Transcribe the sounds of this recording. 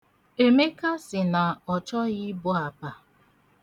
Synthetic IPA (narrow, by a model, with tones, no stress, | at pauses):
e˨me˦ka˦sɪ˨na˨ɔ˨t͡ʃɔ˦ɣɪ˦bʊ˦a˨pa˨